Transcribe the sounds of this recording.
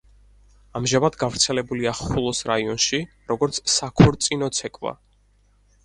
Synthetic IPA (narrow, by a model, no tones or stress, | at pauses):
amʒamad̪ɡavɾt̪sʰɛlɛbuliaχulˠɔsɾaiɔnʃi | ɾɔɡɔɾt̪sʰsakʰɔɾt̪sʼinɔt̪sʰɛkʼva̰